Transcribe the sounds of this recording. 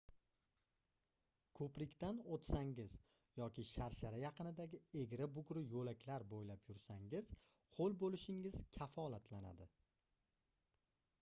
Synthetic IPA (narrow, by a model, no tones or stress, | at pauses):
kʰɵpɾɪkʲt̪anot̪saŋɪz | jɒkʲɪʃaɾʃaɾajɑqɨnɪd̪aɡʲɪeɡʲɾabʊɡɾɪjolakʲlaɾbojlapjʊɾsaŋɪz | qʰolˠbolɪʃɪŋɪz̥kʲʰafɒlat̪ʰlana̰d̪ɪ